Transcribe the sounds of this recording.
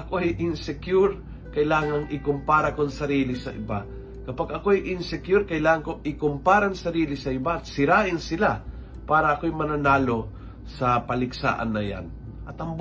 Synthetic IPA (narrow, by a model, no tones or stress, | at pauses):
ʔɐkoɐjʔɪnsɛkjuɾ | kɐɪlaːŋɐŋʔɪkʊmpaːɾɐkoŋsɐɾiːlɪsɐʔɪ̰ba | kɐpaɡɐko̞ɐjʔɪnsɛkjuɾkɐjlaːŋɐŋko̞ʔɪkompaːɾɐŋsɐɾiːlɪsɐɪbaɐt̪̚sɪɾaːʔɪnsɪla | paːɾɐʔɐkojmɐnɐnaːlo̞ | sɐpɐlɪksa̰ːʔɐ̰nːɐja̰n | ʔɐt̪ɐmb